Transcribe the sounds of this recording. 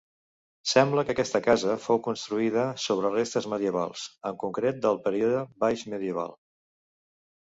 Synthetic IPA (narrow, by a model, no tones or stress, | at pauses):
sɛmbləkəkɛst̪əkazəfowkunst̪ɾuiðəsoβ̞ɾərest̪əzməðiəβa̰lˠsəŋkuŋkɾet̪̚d̪əlˠpəɾiuðəbajʃməðiəβa̰lˠ